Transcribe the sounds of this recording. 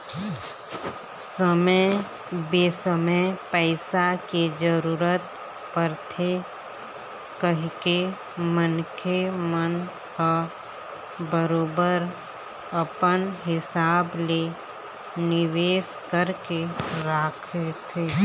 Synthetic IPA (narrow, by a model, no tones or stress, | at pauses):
səmə | beːsəməpəːɪsaked͡ʒəɾuːɾət̪ | pəɾt̪ʰe | kəɦke | mənkʰemən | ka | bəɾoːbəɾ | əpənɦɪsaːble | nɪʋeːʃkəɾkeɾaːkʰet̪ʰeː